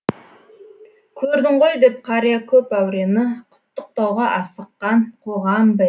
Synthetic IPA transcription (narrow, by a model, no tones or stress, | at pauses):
kʲʰɵɾd̪ɪɴʁojd̪e̞p̚qʰɑɾijakʲʰɵpæwɾe̞nɪqʰʊ̥t̪ːʊq̚t̪ɑwʁɑʔɑsəqːɑɴqʰoʁɑmbɪ